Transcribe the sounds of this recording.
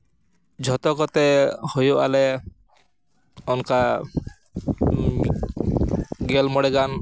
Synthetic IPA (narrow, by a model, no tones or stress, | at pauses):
d͡ʒʱɔt̪ɔkɔt̪ehojualɛ | ɔnka | ɡelmɔɽeɡan